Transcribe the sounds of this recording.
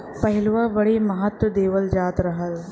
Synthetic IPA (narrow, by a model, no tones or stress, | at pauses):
pɐɦɪlʋabɐɽimɐɦət̪wəd̪eːʋəld͡ʒaːt̪ɾɐɦəl